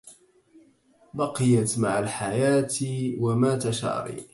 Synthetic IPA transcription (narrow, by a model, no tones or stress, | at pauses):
bɑqɪjat̪maʕalħajaːt̪iwamat̪aʃɑ̰ɾˤḭ